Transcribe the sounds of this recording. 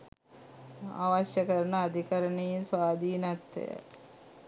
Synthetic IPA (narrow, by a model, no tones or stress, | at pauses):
a̰ːʋaɕjəkəɾənəad̪ʱikəɾənejinsʋaːd̪iːnat̪ːḛjə̰